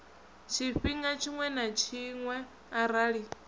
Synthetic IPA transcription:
t͡ʃʰiɸiŋɡat͡ʃʰiŋwɛnat͡ʃʰiŋwɛ | aɾaːɺi

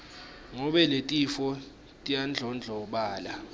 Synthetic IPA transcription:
ŋɔɓɛletʼifɔ | tʼijand͡ɮʱɔnd͡ɮʱɔɓaːla

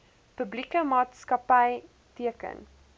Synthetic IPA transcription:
pəblikəmɑːtskɐpɐj | tiəkə̰n

